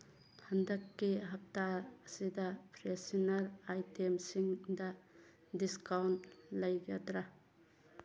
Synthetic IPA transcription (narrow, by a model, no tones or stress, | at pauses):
pʰandɐkːiɦɐp̚taːsidɐpʰɾesinɐɾajtemsiŋdɐ | diskawntlɐjɡɐdɾa